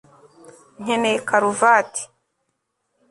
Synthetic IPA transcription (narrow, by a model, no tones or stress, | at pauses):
ɲ̥enekaɾuvaːti̥